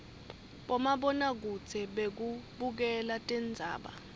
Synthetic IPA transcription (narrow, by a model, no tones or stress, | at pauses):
ɓɔmaɓɔnak̬ut͡sʰɛɓek̬uɓuk̬ɛlatʼɛnd͡zʱa̰ːɓa̰